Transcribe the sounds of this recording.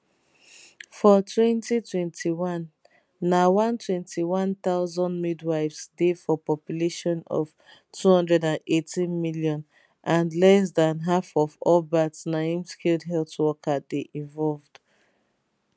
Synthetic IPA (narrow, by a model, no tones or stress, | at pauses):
fɔtʰwɛ̃ntitʰwɛ̃ntʰiwãnː | awãntʰwɛ̃ntʰiwãnt̪aʊzɔ̃ndmidwaɪvsdefɔpɔpjuleʃɔ̃nɔ̰v̥ | tʰuhɔ̃ndɹɛdãnetĩnmiljɔ̃n | ʔãnlɛs̬dãnɦafɔvɔbatsnaĩmskʰilˠdɦɛltwɔkʰadeʔĩvɔlvd̥